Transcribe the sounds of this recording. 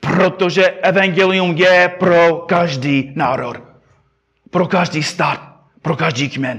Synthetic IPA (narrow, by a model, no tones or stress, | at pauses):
pɾot̪oʒɛʔɛvaŋɡɛlɪumjɛpɾokaʒdiːnaːɾo̰t | pɾokaʒdiːst̪aːt̪̚ | pɾokaʒdiːkmɛn